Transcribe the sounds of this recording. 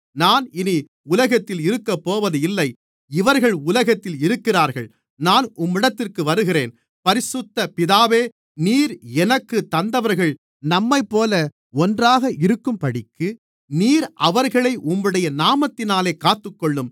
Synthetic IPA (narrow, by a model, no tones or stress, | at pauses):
naːnɪni | ʊlɐɣɐt̪ːɪlɪɾɯkːɐpːoːʋɐðɯɪlːɐɪ | ɪʋɐɾɣɐɭʊlɐɣɐt̪ːɪlɪɾɯkːɪraːɾɣɐɭ | naːnʊmːɪɽɐt̪ːɪrkɯʋɐɾɯɣɪreːn | pɐɾɪsʊt̪ːɐpɪðaːʋeː | niːɾɛnɐkːɯt̪ːɐnd̪ɐʋɐɾɣɐɭ | nɐmːɐɪpːoːlɐ | ɔndraːɣɐʔɪɾɯkːɯmpɐɽɪkːɯ | niːɾʔɐʋɐɾɣɐɭɐɪʔʊmːɯɽɐjɐnaːmɐt̪ːɪnaːleːkaːt̪ːɯkːɔɭːɯm